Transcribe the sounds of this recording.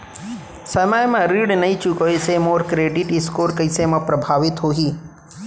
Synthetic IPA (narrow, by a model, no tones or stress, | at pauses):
sɐmajmãɾiɽnɐĩt͡ʃukojsemoːɾkɾeːɖɪʈɪskoːɾkəjsemãpɾɐbʱaːʋɪt̪ɦoɦiː